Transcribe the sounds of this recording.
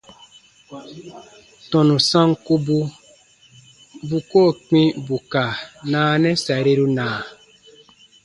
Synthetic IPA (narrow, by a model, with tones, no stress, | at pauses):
tɔ̃˨nũ˨sã˦ŋku˦bu˦ | bu˨ko˦˨k͡pĩ˦bu˨ka˨nãː˦nɛ̃˦sa˨ɾe˦ɾu˦nãː˨